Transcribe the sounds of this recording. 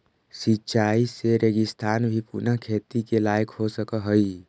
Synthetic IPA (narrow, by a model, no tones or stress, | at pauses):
sitːt͡ʃaiseɾeɡɪst̪ʰaːnbʱipṵnakʰet̪ikelaːjkɦosəkəɦəi